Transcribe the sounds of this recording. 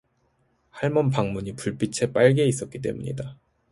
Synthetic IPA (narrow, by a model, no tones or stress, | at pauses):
haɭmʌnpaŋmuɲipuɭp͈it͡ɕʰe̞p͈aɭɡe̞is̬͈ʌt̚k͈it̬͈e̞̰muɲḭda